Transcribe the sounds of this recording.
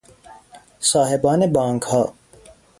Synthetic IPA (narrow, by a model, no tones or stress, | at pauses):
saːɦebaːnebãːŋkhaː